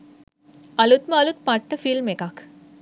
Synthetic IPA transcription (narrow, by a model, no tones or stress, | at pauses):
ɐlut̪məɐlut̪̚paʈːəfilmekak